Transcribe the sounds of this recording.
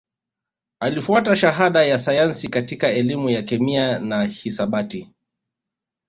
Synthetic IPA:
alifuataʃaɦaɗajasajansikatikaɛlimujakɛmianahisaɓati

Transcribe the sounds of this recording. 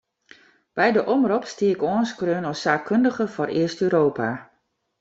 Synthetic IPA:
b̥ɛjdəʔɔmropstiəkoənskrøːnɔsaːkʰːøndəɣəfɔrɪəstøːɾoːpʰa

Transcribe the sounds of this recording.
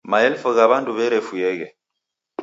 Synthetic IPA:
maɛlfɔɣaβanduβɛɾɛfujɛɣɛ

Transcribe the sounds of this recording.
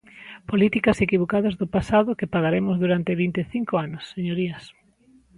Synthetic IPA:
polit̪ikɐsekiβokaðɐzðopasaðʊkepaɣaɾemʊzðuɾant̪eβint̪eθiŋkoanʊsːeɲoɾiɐs

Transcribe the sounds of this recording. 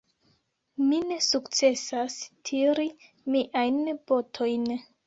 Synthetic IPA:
mine̞sukt͡se̞sastʰiɾi | miʔajnb̥otʰo̞jn

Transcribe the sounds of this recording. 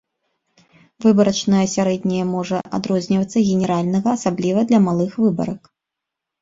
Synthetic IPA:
vɨbɐɾɐt͡ʂnɐjɐsʲaɾɛd̪ʲnʲɛjɛmɔʐɐʔa̰d̪ɾɔzʲnʲivɐt̪sːɐɣʲɛnʲɛɾalʲnɐɣɐːsablʲivɐd̪lʲɐmalˠɨxvɨbɐ̰ɾɐk

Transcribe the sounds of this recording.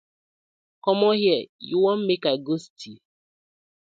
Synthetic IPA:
kɔmɔɦjɛjuwɔn̩mekaɡostʰi

